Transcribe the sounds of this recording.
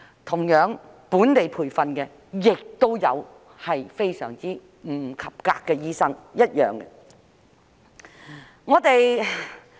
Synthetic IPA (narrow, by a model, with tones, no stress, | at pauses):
t̪ʰʊ˨˩ŋjœː˨˥ŋ | puː˨˥nt̪e˨jpʰuː˨˩jfɐ˨nkɛ˧ | jɪ˨k̚t̪o˥wjɐ˨˧w | hɐ˨jfe˥jsœː˨˩ŋt͡siː˥ | m̩˨˩kʰɐ˨p̚ka̰ː˧kːɛː˧jiː˥sɐ˥ŋjɐ˥t̚jœː˨ŋkɛ̰˧ | ŋɔː˨˧t̪e˨j